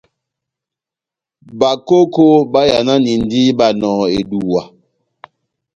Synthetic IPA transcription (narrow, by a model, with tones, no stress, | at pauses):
ba˨ko˦ko˦ba˦ja˨na˦ni˨n̩˨di˦ba˦˨nɔ̃ː˨e˨du˨wa˨